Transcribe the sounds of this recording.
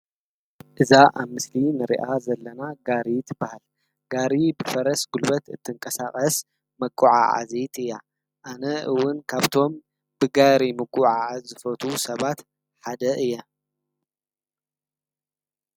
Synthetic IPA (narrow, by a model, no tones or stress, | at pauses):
ʔɨzaʔaβmɨslinɨɾḭʔazɐlːɐnaɡaɾit̪ʰɨbːahal | ɡ̥aɾibɨfɐɾɐsɡulbɐt̪ɨt̪ʰːɨŋkʼɐsaχʼɐs | mɐkʼːuʕa̰ʕa̰zit̪ʰɨjːa | ʔanɐʔɨwːʊnkʰaβt̪ʰo̞m | bɨɡaɾimɐkʼːuʕaʕzɨfɐt̪ʰusɐβat̪ | ħad̪ɐʔɨjːɐ